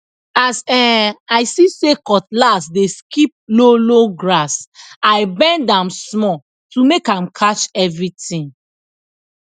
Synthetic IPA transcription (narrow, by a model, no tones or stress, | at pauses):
asɛaɪsisekɔtlasdeskip̚loloɡɹasaɪbɛ̃ndãmsmɔ | tumekãmkʰat͡ʃɛvɹitĩn